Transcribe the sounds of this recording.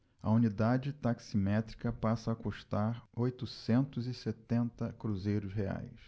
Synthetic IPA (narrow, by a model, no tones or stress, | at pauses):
ɐ̰unid̪ad͡ʒɪt̪aksimɛt̪ɾikɐpasɐːkuʃt̪aɾojt̪usẽnt̪ʊzɪset̪ẽnt̪ɐkɾuzejɾʊsɦea̰js